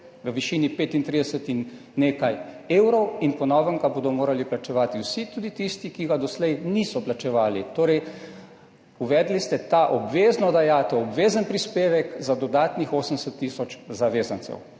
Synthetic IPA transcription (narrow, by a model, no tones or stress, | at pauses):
ʋəʋiʃiːnipeːt̪int̪ɾid̪ɛsət̪inː | eːkajeːwɾɔwinpɔnɔːʋəŋɡabod̪ɔmoːɾaliplat͡ʃɛʋaːt̪iwsit̪uːd̪it̪ist̪ikiɡad̪ɔslɛjnisɔplat͡ʃɛʋaːlit̪oːɾɛj | uʋɛːd̪list̪ɛt̪aːʔɔbʋeːznɔd̪ajaːt̪ɛɔbʋeːzənpɾispeːʋɛkzad̪ɔd̪aːt̪nixoːsənsət̪ːisɔt͡ʃzaʋeːzənt̪sɛ̰w